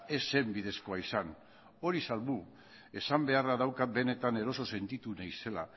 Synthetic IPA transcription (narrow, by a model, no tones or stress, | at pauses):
e̞se̞mbið̞e̞sko̞aisan | o̞ɾisalβu | e̞sambe̞araðawkat̪̚be̞ne̞t̪ane̞ɾo̞so̞se̞nt̪it̪unajse̞la